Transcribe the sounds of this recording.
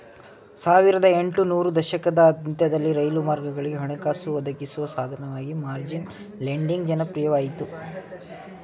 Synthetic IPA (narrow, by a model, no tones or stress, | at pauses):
saːʋiɾɐd̪ɐeɳʈunuːɾud̪ɐʃɐkɐd̪ɐːd̪nt̪ɐd̪ɐlːiɾɐjlumaːɾɡɐɡɐɭiɡeɦɐɳukaːsuʋɐd̪ʱɐkisuʋɐsaːd̪ʱɐnɐʋaːɡimaːɾd͡ʒin | leɳɖiŋɡd͡ʒɐnɐpɾijɐʋaːjit̪u